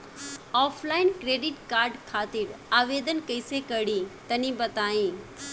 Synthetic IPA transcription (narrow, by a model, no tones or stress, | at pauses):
ɔːpʰlaːɪnkɾeːɖɪʈkaːɾɖkʰaːt̪ɪɾaːʋeːd̪ənkɐɪsekɐɽit̪ɐnĩbɐt̪aːĩː